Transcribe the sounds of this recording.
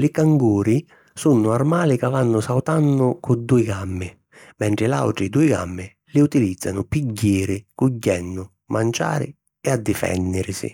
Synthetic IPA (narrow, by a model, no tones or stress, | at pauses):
lɪkaŋɡuːɾi | sunːʊarmaːlɪkavanːʊsawt̪anːʊkʊd̪ːuɪɡamːɪ | mɛɳʈ̪ɾɪla̰wʈ̪ɾɪd̪uɪɡa̰mːɪ | lɪut̪ilid̪zːanʊpiɟːeːɾɪkʊɟːɛnːʊ | mant͡ʃa̰ːɾɪ̰ | ɛad̪ːɪfɛ̰nːɪɾsɪ̰